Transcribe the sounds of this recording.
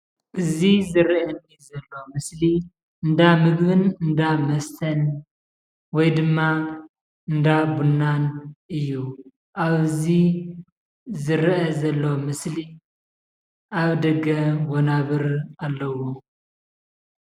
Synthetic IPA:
ʔɨzizɨɾiʔɐnizɐlːo̞mɨsli | ɨnd̪amɨɡβɨnɨnd̪amɐst̪ʰɐn | wɔjd̪ɨmːa | ɨnd̪abunːanʔɨjːu | ʔaβɨzi | zɨɾʔɐzɐlːo̞mɨsli | ʔaβd̪ɐɡɐwonaβɨɾalːɐwo

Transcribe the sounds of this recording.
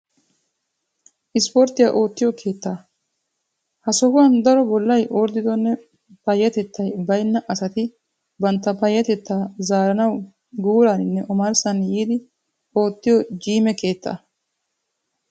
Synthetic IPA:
ʔɪspoɾt̪ːɪja̰ʔo̞ːt̪ːɪjɔkʰe̞ːt̪ːɐ | hɐsɔhʊwɐnd̪ɐɾɔbɔlːɐjʔoːɾd̪ɪd̪ɔnːɛ | pɐjːɐt̪ɛt̪ːɐjbɐjnːɐʔɐsɐt̪ɪ | bɐnt̪ːɐpɐjːɐt̪ɛt̪ːaːzaːɾɐnɐw | ɡuːɾaːnɪnːɛʔɔmɐɾsɐnjiːd̪ɪ | o̞ːt̪ːɪjɔd͡ʒiːmɛke̞ːt̪ːɐ̰

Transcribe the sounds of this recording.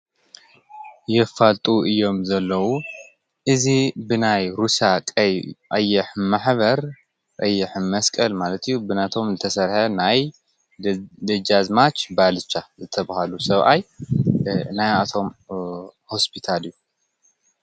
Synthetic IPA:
jɛfalt̪ʼuɨjːo̞mzɐlːɐwu | ʔɨzibɨnajɾusakʼɐjʔajːɛħmaħβɐɾ | ʔʼajːɛħmɐskʼɐlmalɐt̪ʰɨjːubɨnat̪ʰo̞mzɨt̪ʰɐsɐɾħɐnaj | d̪ɐd͡ʒazmat͡ʃbalɨt͡ʃːazɨt̪ʰɐβahalusɐβʔa̰j | najat̪ʰo̞m | ho̞spʰit̪ʰalɨjːu

